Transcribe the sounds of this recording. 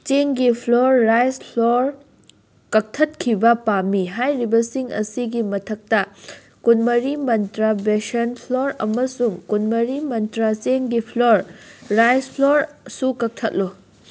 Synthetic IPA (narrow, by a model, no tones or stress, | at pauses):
t͡ʃeŋɡipʰloɾːajspʰloɾ | kɐk̚tʰɐt̚kʰibɐpamːiɦajɾibɐsiŋɐ̰siɡimɐtʰɐk̚tɐ | kunmɐɾimɐntɾabesɐnpʰloɾɐ̰mɐsuŋkunmɐɾimɐntɾat͡ʃeŋɡipʰloɾːajspʰloɾsukɐk̚tʰɐt̚lo